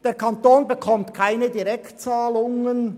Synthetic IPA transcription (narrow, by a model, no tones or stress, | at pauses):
d̥eːɾkʰɑnt̪oːnbekʰɔmtkʰaɪnədiɾɛktt͡saːlʊŋən